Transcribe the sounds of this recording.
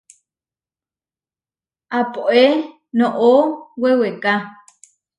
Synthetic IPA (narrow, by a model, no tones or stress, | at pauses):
ʔapoʔe | nõʔoweweka